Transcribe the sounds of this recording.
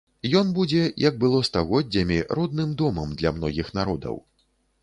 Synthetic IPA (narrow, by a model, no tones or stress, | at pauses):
jɔnbud͡zʲɛjɐɡ̚bɨlˠɔst̪aɣɔd͡zʲːɐmʲiɾɔd̪̚nɨmd̪ɔmɐmd̪lʲɐmnɔɣʲixnaɾɔd̪ɐ̰w